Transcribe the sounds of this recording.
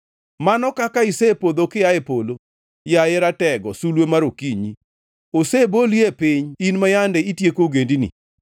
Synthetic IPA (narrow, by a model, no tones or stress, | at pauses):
manɔkakaisepod̪okɪjaepolo | jaɪɾatɛɡɔsulwemaɾokiɲi | oseboliepɪɲinmajandɛitjekoɡendinḭ